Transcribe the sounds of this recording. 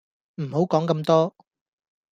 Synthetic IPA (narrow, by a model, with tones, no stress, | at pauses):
m̩˨˩ho˨˥wkɔː˨˥ŋkɐ˧mt̪ɔː˥